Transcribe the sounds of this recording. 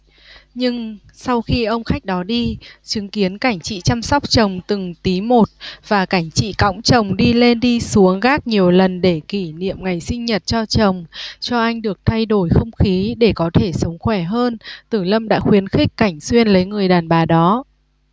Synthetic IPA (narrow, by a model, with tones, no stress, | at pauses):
ɲɨ˧ŋ | sa˧wxi˧ʔə˧wŋ͡mxa˦˥k̟̚ɗɔ˨˦ɗi˧t͡ɕɨ˨˦ŋki˨˦ənka˧˩jŋ̟t͡ɕḭ˧˨t͡ɕa˧msa˦˥wk͡p̚t͡ɕə˨˩wŋ͡mt̪ɨ˨˩ŋt̪i˨˦mo˨˩t̚v̥aː˨˩ka˧˩jŋ̟t͡ɕḭ˧˨ka̰˧˥wŋ͡mt͡ɕə˨˩wŋ͡mɗi˧le˧nɗi˧su˨˦əŋɣaː˦˥k̚ɲi˨˩əwlə˨˩nɗe˧˩ki˧˩nḭ˧˨əmŋa˨˩jsï˧ŋ̟ɲə˨˩t̚t͡ɕɔ˧t͡ɕə˨˩wŋ͡mt͡ɕɔ˧ʔa˧jŋ̟ɗɨ˨˩ək̚t̪ʰa˧jɗo˧˩jxə˧wŋ͡mxi˨˦ɗe˧˩kɔ˨˦t̪ʰe˧˩sə˨˦wŋ͡mxwɛ˧˩ɦəː˧nt̪ɨ˧˩lə˧mɗa̰ː˧˥xwi˨˦ənxï˦˥k̟̚kːa˧˩jŋ̟swi˧ənlə˨˦jŋɨ˨˩əjɗaː˨˩nɓaː˨˩ɗɔ˨˦